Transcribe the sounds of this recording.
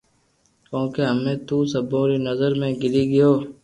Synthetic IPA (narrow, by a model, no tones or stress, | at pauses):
kõːkeːɦəmẽːt̪uːsəbõːɾiːnəzəɾmẽːɡɪliːɡɪjoː